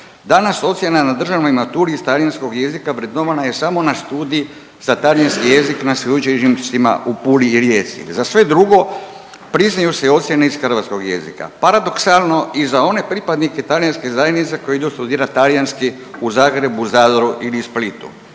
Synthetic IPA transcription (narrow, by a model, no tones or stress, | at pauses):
d̪anaso̞t̪sje̞nanad̪r̩ʒanoimat̪uliist̪aljansko̞ɡje̞zikapɾed̪noʋanaje̞samo̞nast̪uːd̪ii | z̥at̪alijanskije̞ziknasjed̪ut͡ʃeimsima̰ʔupuliːɾjeːt̪sḭzasʋe̞d̪ɾuɡo̞ | pɾiznajuseio̞t̪sje̞neiz̥xr̩ʋat̪sko̞ɡje̞̰zḭka̰paɾad̪o̞ksalˠno̞izao̞ne̞pɾipad̪niket̪aljanskezajenit̪se̞kojeid̪ust̪ud̪iːɾat̪aljanski | uzaːɡɾe̞buzaːd̪oɾuʔilisplit̪ṵ